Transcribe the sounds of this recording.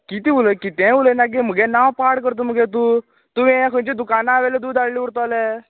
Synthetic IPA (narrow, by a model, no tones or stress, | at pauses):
kit̪iʋuləkit̪ɛ̃ʋulənak̬em̤əɡɛnawpaɽkəɾt̪̬om̤əɡɛt̪̬u | t̪uʋĩãkʰənt͡ɕed̪ukanaaːʋɛled̪uːd̪aɽliʋuɽt̪ale